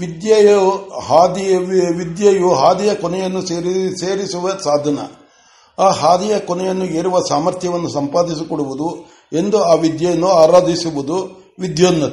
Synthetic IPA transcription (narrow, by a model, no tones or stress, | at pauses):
ʋid̪jɐjɐɦaːd̪ʋid̪jɐjuɦaːd̪ijɐkɔnɛjɐnːusseːɾisuʋɐsaːd̪ʱɐnɐ̰ | aːɦaːd̪ijɐkɔnɛjɐnːueːɾuʋɐsaːmɐɾt̪ʰjɐʋɐnːusɐmpaːd̪is̬ikɔɽuʋud̪u | e̞nd̪uaːʋid̪jɐjɐnːuaːɾaːd̪ʱisuʋud̪u | ʋid̪joːnːɐt̪